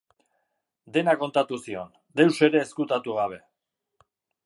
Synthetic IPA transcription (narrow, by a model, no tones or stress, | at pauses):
d̪e̞nako̞nt̪at̪usio̞̰n | d̪e̞wse̞ɾe̞ːskut̪at̪uɣaβ̞e̞